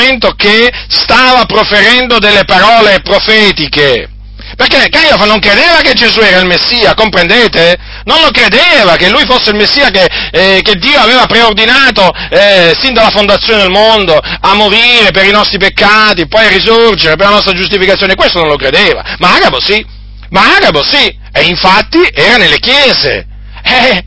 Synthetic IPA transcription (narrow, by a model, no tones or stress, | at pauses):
ent̪okest̪aːvapɾofeɾɛnd̪od̪elːepaɾɔːlepɾofɛːt̪ike | perkːekaɾiofanːoŋkɾed̪eːvaked͡ʒezuɛːɾailmesːiːakompɾend̪eːt̪e | nonlokɾed̪eːvakelːujfosːeilmesːiːakeked̪ːiːoaveːvapɾeord̪inaːt̪oɛsind̪alafond̪at̪sːjoned̪elmond̪oamːoɾiːɾepeɾinɔst̪ɾipekːaːt̪ipɔjarːizord͡ʒeɾep̬erlanɔst̪ɾad͡ʒust̪ifikat̪sjoːnekwest̪onõnlokɾed̪eːva̰maaːɡabosi | maaːɡabosi | ɛiɱfat̪ːiʔɛːɾanelːekjɛːzḛ | ɛ